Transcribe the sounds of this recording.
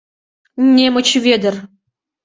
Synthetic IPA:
nʲːemɤ̆t͡ɕvʲed̪ʲɘ̆rʲ

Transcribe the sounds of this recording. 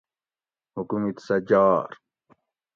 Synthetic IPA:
hukumit̪sɐd͡ʑaːɾ

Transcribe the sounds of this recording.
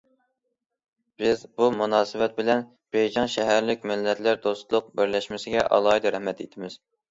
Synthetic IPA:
b̥ɪzbumunɑːsɨwɛt̪̚bɪlɛn | b̥ejd͡ʒɑŋʃɛɦæɾlɪkʲmɪlːɛt̪ʰlæɾd̪ost̪lˠʊq̚bɪɾlɛʃmɪsɪɡʲɛʔɑ̰lˠɑid̪ɨɾɛhmɛt̪et̪ʰɪmɪz̥

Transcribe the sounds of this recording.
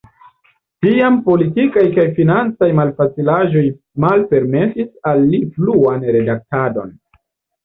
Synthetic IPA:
tiampo̞litikajkajfinant͡sajmalfat͡silaʒo̞j | malpe̞ɾme̞sisalːipluanɾe̞dak̚tado̞̰n

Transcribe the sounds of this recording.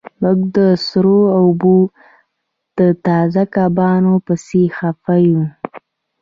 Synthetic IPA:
mʊɡd̪əsɾoaʊbo | d̪̥ət̪ɑzakabɑnopəsexafaju

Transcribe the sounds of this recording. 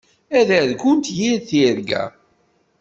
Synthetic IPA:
æðæðkʊnt̪jiɾθiɾɡæ̰

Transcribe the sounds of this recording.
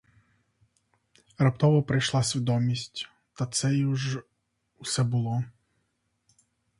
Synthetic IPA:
ɾɐp̚t̪ɔʋɔpɾɐjʃlˠasʲʋʲid̪ɔmʲisʲtʲ | t̪at̪sɛjuʒ | usɛbʊlˠɔ

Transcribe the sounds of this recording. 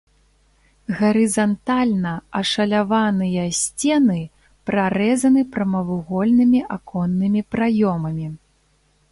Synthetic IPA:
ɣɐɾɨzant̪alʲnɐɐʂɐlʲavanɨjɐsʲt͡sʲɛnɨ | pɾaɾɛzɐnɨpɾɐmɐvɨɣɔlʲnɨmʲiʔakʰɔnːɨmʲipɾajɔmɐmʲi

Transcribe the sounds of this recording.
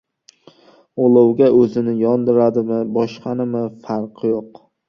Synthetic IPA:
olˠɑwɡʲaʔɵzɪnɪjɒnd̪ɪɾad̪ɪmɪbɒʃqʰɑnɪmɪfaɾqʰjoq

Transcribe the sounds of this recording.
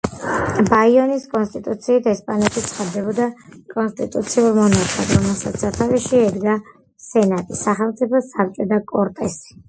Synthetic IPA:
baiɔniskʼɔnst̪ʼit̪ʼut̪sʰiːt̪ʰɛspʼanɛt̪ʰit̪sʰχad̪d̪ɛbɔd̪akʼɔnst̪ʼit̪ʼut̪sʰiuɾmɔnakʰad̪ɾɔmɛlˠsat̪sat̪ʰaviʃiɛd̪ɡa | sɛnat̪ʼisaχɛlˠmt̪sʼipʰɔsaɾt͡ʃʼɛd̪akʼɔɾt̪ʼɛsi̥

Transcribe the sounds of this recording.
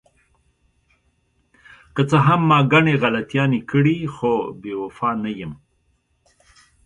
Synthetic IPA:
kət͡səɦamːɑɡaɳeɣalat̪ijɑnekəɽixobewafɑnajəm

